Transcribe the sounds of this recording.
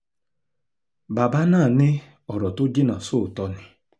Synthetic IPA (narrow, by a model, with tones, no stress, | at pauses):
ba˨ba˦naː˦˨nɪ˦ | ɔ˨ɾɔ˨tʊ˦d͡ʒi˦na˨sʊ˦˨tɔ˦nɪ˨